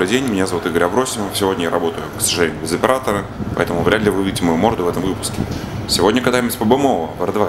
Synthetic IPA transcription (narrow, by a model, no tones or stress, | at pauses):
ɾɨdʲenʲmʲɪnʲazɐvut̪iɡəɾʲɐbɾo̞sʲɪməvəfsʲɪvo̞dʲnʲəjaɾʔɐbo̞t̪əjʊksəʐɨlʲenʲʊːbʲɪzəpʲɪɾʔat̪əɾəpɐ̰ɛt̪əmʊvɾʲad̪lʲɪvɨuɪtʲɪmɐjumo̞rd̪ʊvɛt̪ə̃mvɨpʊ̥skʲɪsʲɪvo̞dʲnʲəkɐt̪ajməsʲpəbɨmovəvəɾd̪va